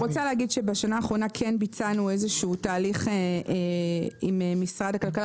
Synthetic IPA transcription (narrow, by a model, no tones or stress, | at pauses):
ʁot͡salehaɡidʃebaʃanaːχʁo̞nakʰenbit͡sanue̞zeʃuːtaːliχe | imemːisʁadakalkal